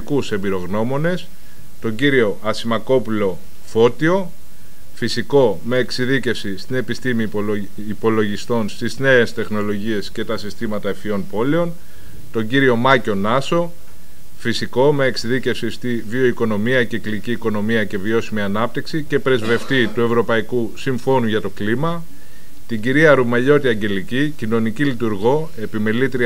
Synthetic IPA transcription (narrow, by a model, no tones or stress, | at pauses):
kuse̞mbiɾo̞ɣno̞mo̞ne̞s | t̪o̞ɲɟiɾio̞ʔɐsimɐko̞pulo̞ | fo̞t̪io̞ | fisiko̞ | me̞ːksiðice̞fsist̪ine̞pist̪imi | ipo̞lo̞ʝist̪o̞nst̪izne̞est̪e̞xno̞lo̞ʝie̞sce̞t̪ɐsist̪imɐt̪ɐefio̞npo̞le̞o̞n | t̪o̞ɲɟiɾio̞mɐco̞nɐso | fisiko̞meeksiðice̞fsist̪i | vio̞iko̞no̞miɐce̞kliciːko̞no̞miɐce̞vio̞simiɐnɐp̚t̪iksice̞pɾe̞zve̞ft̪it̪ue̞vɾo̞pɐikusiɱfo̞nuʝɐt̪o̞klimɐ | t̪iɲɟiɾiɐɾumɐʎo̞t̪iɐɲɟe̞licicino̞nicilit̪uɾɣo̞ | e̞pimelit̪ɾi